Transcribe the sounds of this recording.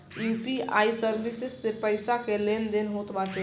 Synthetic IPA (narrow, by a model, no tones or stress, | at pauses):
juːpia̰ːisəɾbɪsɪsːepəɪsakeleːnd̪enɦoːt̪baːt̪e